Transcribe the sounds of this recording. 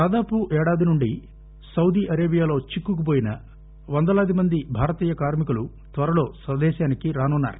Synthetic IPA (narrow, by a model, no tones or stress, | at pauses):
d̪aːd̪aːpuʔɛːɽaːd̪inuɳɖi | sɐwd̪iːʔɐɾeːbijaːlo̞ːt͡ʃikːukup̬oːjinɐ | ʋɐnd̪ɐlaːd̪imɐnd̪ibʱaːɾɐt̪iːjɐkaːɾmikulu | t̪ʋɐɾɐlo̞ːsʋɐd̪ɛːʃaːnikiɾaːnunːa̰ːɾu